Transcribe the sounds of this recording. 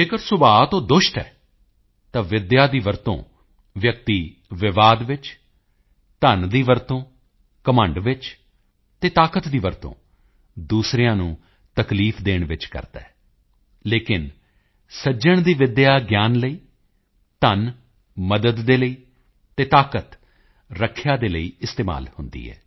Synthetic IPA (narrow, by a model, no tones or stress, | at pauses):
d͡ʒeːkəɾsʊbaːt̪õːd̪ʊʃʈɦɛ̰ː | t̪ãːʋɪd̪jaːd̪iːʋəɾt̪õ̰ː | ʋjək̚t̪iː | ʋɪʋaːd̪ʋɪt͡ʃ | t̪ənd̪iːʋəɾt̪õː | kəmə̃ːɳɖʋɪt͡ʃ | t̪eːt̪aːkət̪d̪iːʋəɾt̪õ̰ː | d̪uːsɾɪjãːnṵ̃ː | t̪əkliːpʰd̪eːɳʋɪt͡ʃkə̰ɾt̪ɛ̰ː | leːkɪn | səd͡ʒəɳ̃d̪iːʋɪd̪jaːɡjaːnləiː | t̪ən | məd̪əd̪ːeːləiː | t̪eːt̪aːkət̪ | ɾəkʰːjãːd̪eːləḭːɪst̪eːma̰ːlhʊnd̪ḭːɦɛ̰ː